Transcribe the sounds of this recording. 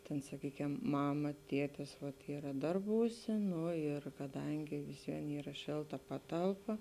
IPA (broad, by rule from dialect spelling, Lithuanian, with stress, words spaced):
tʲeːn sɐˈkʲiːkʲɛm ˈmɑːmɐ ˈtʲiɛtʲɪs ʋɐt ˈiːrɐ ˈdɐrbuːˌsʲeː ˈnʊ ɪr kɐˈdɐŋʲɡʲɪ ʋʲɪsʲˈʋʲiɛn ˈiːrɐ ˈʃʲeːlˠˌtɐ ˈpɑːtɐlˠˌpɐ